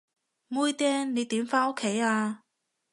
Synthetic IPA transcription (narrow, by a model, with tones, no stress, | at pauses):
muː˥jt̪ɛː˥ŋne˨˧jt̪iː˨˥mfaː˥no˥kʰːe˨˥jaː˧